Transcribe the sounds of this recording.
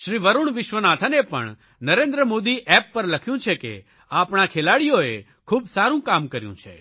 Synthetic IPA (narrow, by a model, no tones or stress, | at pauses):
ʃɾiʋəɾuɳʋɪʃʋənat̪ʰanepə̰ɳ | nəɾẽnd̪ɾəmod̪iʔɛpːəɾləkʰjũt͡ʃʰekḛ | apɳ̃akʰelaɽijoe | kʰuːbsaɾũkamkəɾjṵ̃t͡ʃʰḛ